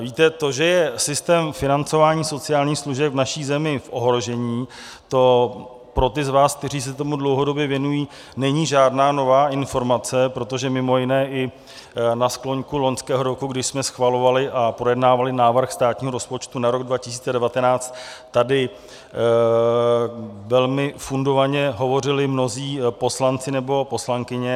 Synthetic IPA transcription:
viːt̪ɛt̪oʒɛjɛsɪst̪ɛːmfɪnant͡so̞vaːɲiːso̞t͡sɪjaːlɲiːxsluʒɛpvnaʃiːzɛmɪfʔo̞ɦɾo̞ʒɛɲiː | t̪o̞ | pɾo̞t̪ɪzvaːsk̚t̪ɛriːs̬ɛt̪o̞mudlowɦo̞do̞bjɛvjɛnujiː | nɛɲiːʒaːdnaːno̞vaːʔɪnfo̞ɾmat͡sɛpɾo̞t̪o̞ʒɛmɪmo̞jɪnɛːʔɪ | nasklo̞ɲkulo̞ɲskɛːɦo̞ɾo̞kuɡdɪʃsmɛsxvalo̞valɪʔapɾo̞jɛdnaːvalɪnaːvr̩xst̪aːt̪ɲiːɦo̞ɾo̞spo̞t͡ʃt̪unaɾoɡdvacɪsiːt͡sɛdɛvat̪ɛnaːt͡st̪t̪ːadɪ | vɛlmɪfundo̞vaɲɛɦo̞vo̞rɪlɪmno̞ziːpo̞slant͡sɪnɛbo̞po̞slaŋkɪɲɛ

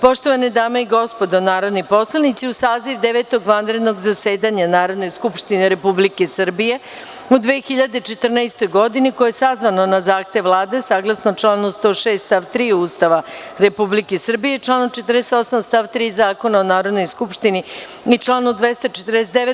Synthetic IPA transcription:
po̞ʃt̪o̞ʋaned̪aːmeiɡo̞spo̞d̪onaːɾo̞d̪nipo̞slˠanit̪siusaːziʋd̪eʋet̪o̞ɡʋand̪ɾe̞d̪no̞ɡzaseːd̪aɲanaːɾo̞d̪no̞jskupʃt̪ineɾe̞publikesər̩bije̞ | ud̪ʋeːxiʎad̪et͡ʃet̪r̩naest̪o̞jɡo̞d̪ineko̞jesazʋanonazaːxt̪e̞ʋʋlˠaːd̪e̞saːɡlˠasnot͡ʃlaːnust̪o̞ːʃeːst̪st̪aʋt̪ɾiːuːst̪aʋaɾe̞publikesr̩bije̞t͡ʃlˠaːnot͡ʃet̪ərd̪eseo̞samst̪aːʋt̪ɾiːzaːko̞naonaːɾo̞d̪no̞jskupʃt̪ini | it͡ʃlˠaːnod̪ʋest̪at͡ʃet̪ɾd̪eset̪eʋe

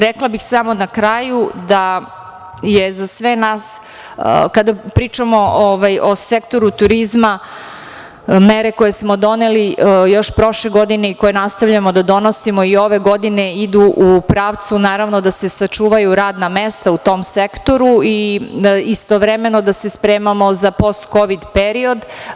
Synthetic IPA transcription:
ɾeklˠabixsamo̞nakɾaːjud̪a | jezasʋenaːs | kad̪apɾiːt͡ʃamo̞oʋajʔo̞sekt̪o̞ɾut̪uɾizma | meɾe̞kojesmo̞d̪o̞nelijo̞ʃpɾo̞ʃleɡo̞d̪ine̞ikojenast̪aʋʎamod̪ad̪o̞nosimo̞io̞ʋe̞ɡo̞d̪ineid̪uʔupɾaːʋt̪sunaːɾaʋnod̪ase̞sat͡ʃuːʋajuɾaːd̪namest̪aut̪o̞msekt̪o̞ɾui | ist̪oʋɾemeno̞d̪ase̞spɾeːmamo̞zapo̞st̪ko̞ʋid̪peɾio̞d̪

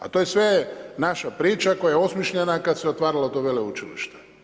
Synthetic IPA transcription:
a̰t̪ojesʋenaʃapɾiːt͡ʃako̞jajeo̞smjiʃʎenakad̪seo̞t̪ʋaːɾalaot̪oʋeleut͡ʃilḭʃt̪e̥

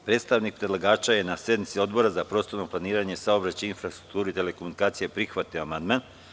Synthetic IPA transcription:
pɾet̪st̪aʋnik̚pɾed̪lˠaɡaːt͡ʃaje̞nasje̞d̪nit̪sio̞d̪bo̞ɾazapɾo̞ːst̪o̞ɾnoplˠaniːɾaɲesaobɾat͡ɕeinfɾast̪ɾu̥k̚t̪uːɾuit̪e̞le̞ko̞munikaːt̪sije̞pɾixʋat̪ioamand̪man

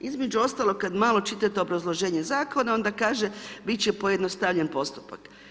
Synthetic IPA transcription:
izme̞d͡ʑuo̞st̪aːlo̞ɡ̚kad̪maːlˠo̞t͡ʃit̪at̪eobɾazlˠo̞ʒe̞ːɲe̞zaːko̞nao̞nd̪akaːʒebit͡ɕepo̞jed̪nost̪aʋʎenpo̞st̪u̥pa̰k

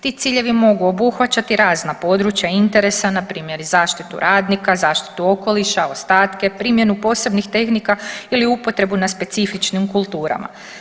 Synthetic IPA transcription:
t̪iːt̪siːʎe̞ʋimo̞ɡuo̞buxʋat͡ɕat̪iɾaːznapo̞ːd̪ɾut͡ɕjaint̪e̞ɾe̞sanapɾiːmje̞ɾzaːʃt̪it̪ṵɾʔaːd̪nikazaːʃt̪i̥t̪uo̞ko̞liʃao̞st̪aːt̪ke̞pɾiːmje̞nupo̞ːse̞bnixt̪e̞xnikailiupo̞t̪ɾe̞bunaspe̞t̪sifit͡ʃnimkulˠt̪uːɾa̰ma̰

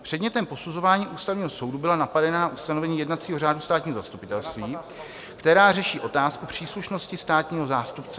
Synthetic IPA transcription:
pr̥ɛdɲɛt̪ɛmpo̞suzo̞vaːɲiːʔuːst̪avɲiːɦo̞so̞wdubɪlanapadɛnaaʔust̪anovɛɲiːjɛdnat̪t͡siːɦo̞raːdust̪aːt̪ɲiːɦoza̰st̪upɪt̪ɛlst̪viː | kt̪ɛɾaːrɛʃiːʔo̞t̪aːskupr̝̥iːsluʃno̞scɪst̪aːt̪ɲiːɦo̞zaːst̪upt͡sɛ̥

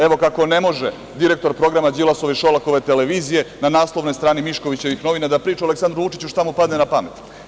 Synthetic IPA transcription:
eʋo̞kako̞nemo̞ʒe | d̪iɾe̞k̚t̪o̞ɾpɾo̞ɡɾamad͡ʑilˠaso̞ʋiʃolako̞ʋet̪e̞leʋiːzije̞nanaːslˠo̞ʋnojst̪ɾaːnimiʃko̞ʋit͡ɕe̞ʋixno̞ʋinad̪apɾiːt͡ʃuoleksand̪ɾuʋut͡ʃit͡ɕuʃt̪amupad̪nenapamet̪

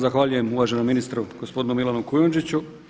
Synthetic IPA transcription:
zaxʋaːʎuje̞muʋaʒe̞nomːinist̪ɾuɡ̥osp̞d̪inumilˠanukujond͡ʒit͡ɕu

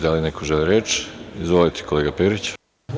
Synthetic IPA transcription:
d̪alinekʰoʒeliɾeːt͡ʃizʋolit̪ʰe̥kʰoleːɡapeːɾit͡ɕ

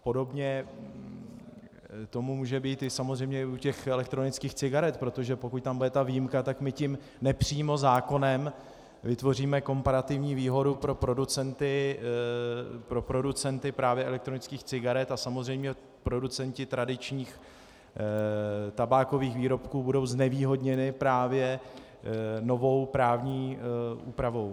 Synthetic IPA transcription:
po̞do̞bɲɛ | t̪o̞mumuːʒɛbiːt̪ɪsamo̞zrɛjmɲɛɪucɛxɛlɛk̚t̪ɾo̞nɪt͡skiːxt͡sɪɡaɾɛt̪pɾo̞t̪oʒɛpo̞kuc̚t̪ambudɛt̪avijimkat̪akmɪcɪm | nɛpr̝̥iːmo̞zaːko̞nɛm | vɪt̪vo̞r̝iːmɛko̞mpaɾat̪ɪvɲiːviːɦo̞dupɾo̞pɾo̞dut͡sɛnt̪ɪ | pɾo̞pɾo̞dut͡sɛnt̪ɪpɾaːvjɛʔɛlɛk̚t̪ɾo̞nɪt͡skiːxt͡sɪɡaɾɛt̪asamo̞zrɛjmɲɛ | pɾo̞dut͡sɛncɪt̪ɾadɪt͡ʃɲiːx | t̪abaːko̞viːxviːɾo̞pkuːbudo̞wznɛviːɦo̞dɲɛnɪpɾaːvjɛ | no̞vo̞wpɾaːvɲiːṵːpɾavo̞w

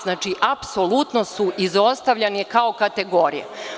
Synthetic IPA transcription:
znaːt͡ʃiʔapsolˠut̪nosuʔizo̞st̪aʋʎanikaokat̪eɡo̞ɾḭjḛ

